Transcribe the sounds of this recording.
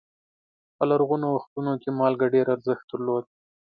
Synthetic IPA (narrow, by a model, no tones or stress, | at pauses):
pəlaɾɣunowaxt̪unokemɑlɡaɖeɾaɾzəxt̪̚d̪əɾlod̪̚